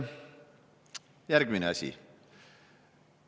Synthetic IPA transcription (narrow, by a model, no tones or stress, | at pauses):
jæɾɡ̥mineɑsʲḭ